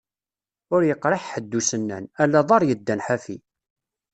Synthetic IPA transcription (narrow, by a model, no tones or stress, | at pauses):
ʊɾjəqːɾˤɑħħəd̪ːusənːæ̰nælːæðˤɑɾˤjəd̪ːænħafi